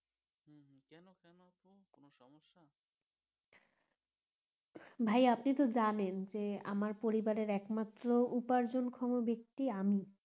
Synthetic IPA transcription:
kɛnokɛnot̪okonoʃɔmoʃːa | bʱajapnit̪od͡ʑanend͡ʑea̰maɾpoɾibaɾeɾɛkmat̪ːɾoupaɾd͡ʑonkʰɔmobek̚t̪iami

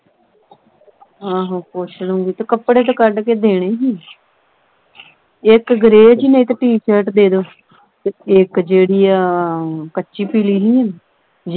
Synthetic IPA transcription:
ãːɦãːpoʃnõːɡiːt̪ekəpɽeːt̪aːkəɖkeːd̪eːɽ̃eːɦiː | ɪkɡəɾeːd͡ʒiːnəĩt̪aʈiːʃəɾʈd̪eːd̪oː | t̪eɪkd͡ʒeːɽiːaːkətːʃiːpiːliːɦiːən | d͡ʒ

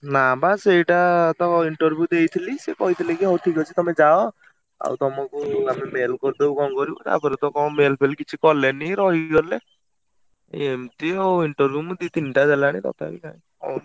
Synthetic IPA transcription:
nabaseiʈat̪ɔiɳʈɔɾbʱjud̪ejt̪ʰilisekɔɦit̪ʰilikiɦɔwʈ̪ʰikɔt͡ʃʰit̪ɔmed͡ʒaɔ | a̰wt̪ɔmakuamemelkɔɾid̪ewkɔmkɔɾibɔta̰pɔɾet̪ɔkɔmelpʰelkit͡ʃʰikɔleniɾɔɦiɡɔle | emt̪iɔiɳʈɔɾbʱjumud̪it̪inʈad͡ʒalaɽ̃it̪ɔ̰t̪ʰakikaĩ | kɔn

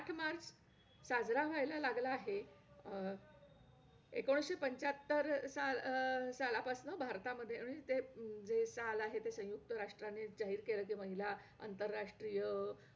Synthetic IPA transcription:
aʈʰmaɾd͡z | sad͡zɾaʋajlalaɡlaːɦe | ekoɽ̃ɕepəɲt͡ɕat̪ːəɾsalsalapasnəbʱaɾt̪aməd̪ʱːjeɽ̃it̪ed͡zesalaɦet̪esə̃juk̚t̪əɾaʂʈɾaned͡ʑaɦiːɾkeləːk̬iməɦilaa̰nt̪əɾːaʂʈɾijə

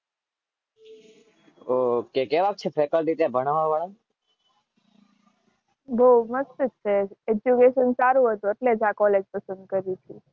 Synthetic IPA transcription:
okekeʋak̚t͡ʃʰefʰɾekəlɖit̪ebʱəɽ̃aʋaʋəɭan | bʱoməst̪ət͡ʃʰeed͡ʒjukeʃənsaɾũɦət̪ũeʈled͡ʒakɔled͡ʒpəsə̃nd̪kəɾit͡ʃʰi

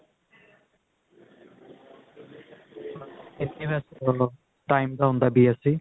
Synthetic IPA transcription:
et̪ibasɔ | ʈajmd̪awnd̪abiasi

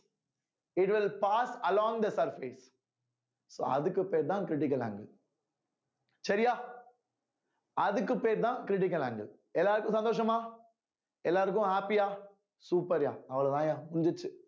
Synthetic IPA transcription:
ɪʈʋɪlpaːsɐlɔ̃ːŋd̪ɐsɐɾfes | so̰ːɐ̰ðɯkːɯpːeːɾt̪ãːkɾɪʈ̬ɪkːɐla̰ːŋɡɐ | sɐɾɪjaː | ɐðɯkːɯpːeːɾt̪ãːkɾɪʈ̬ɪk̬ːɐla̰ːŋɡɐ | ɛlːaːɾɯkːʊ̃sɐnd̪oːʂɐmaː | ɛlːaːɾɯk̬ːʊ̃haːpijaː | suːpɐɾa̰ːɐʋɐɭɐt̪ãːjaːmʊnɲd͡ʒɐt͡ʃːɯ

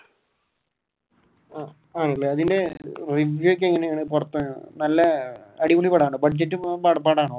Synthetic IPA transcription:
a | aːnlːeɐðinde̞riʋjuek̬ʲːeŋːɐnejaːɳɨp̬urɐt̪ːɨnɐlːɐɐɽimuɳipɐɽaːɳɨbɐʈ̚d͡ʑɐtːumpaɽpaːɽaːɳo

